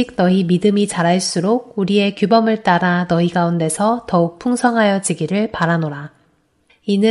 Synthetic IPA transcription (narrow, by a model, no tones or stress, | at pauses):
ik̚nʌimidɯmit͡ɕaɾaɭs͈uɾoɡ̚uɾie̞kjubʌmɯɭt͈aɾanʌiɡaunde̞sʰʌtʌuk̚pʰuŋsʰʌŋɦajʌd͡ʑiɡiɾɯɭpaɾanoɾa | inɯ